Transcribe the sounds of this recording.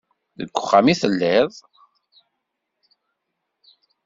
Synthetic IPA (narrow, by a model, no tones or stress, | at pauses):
ðə̰ɡʷːʊχːamiθəlːɪðˤ